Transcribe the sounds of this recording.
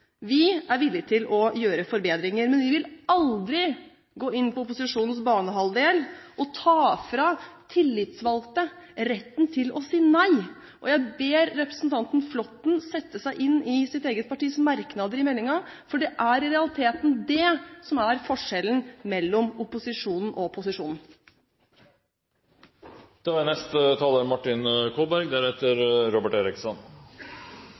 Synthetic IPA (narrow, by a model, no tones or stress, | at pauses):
ʋɪæɾʋɪlːɪt̪ʰɪlɔjøːɾəfɔɾbeːd̪ɾɪŋəɾmɛnʋɪʋɪlɑld̪ɾɪ | ɡoːɪnːpɔʊpʊsɪʂuːnnsbɑːɳəɦɑld̪eːlʔɔt̪ʰɑːfɾɑt̪ʰɪlːɪt̪sʋɑlt̪əɾɛt̪ːnt̪ʰɪlɔsiːnæɪ | ʔɔjæɪbeːɾːɛpɾəsn̩t̪ʰɑnt̪n̩flɔt̪n̩sɛt̪ːəsæɪʔɪnːɪsɪt̪eːɡət̪̚pʰɑʈiːsmɑɾknɑd̪əɾɪmɛlːɪŋɑfɔɖɛʔæɾɪɾɛɑlɪt̪ʰeːt̪nd̪ɛsɔmæɾfɔʂɛlənmɛlːɔmʊpʊsɪʂuːnn̩ʔɔpʰʊsɪʂuːnn̩ | d̪̥ɛʋɑɾnɛst̪ət̪ʰɑːləɾmɑʈːɪnkʰoːbæɾɡd̪æɾheːt̪əɾɾɔbəʈeːɾɪksɔn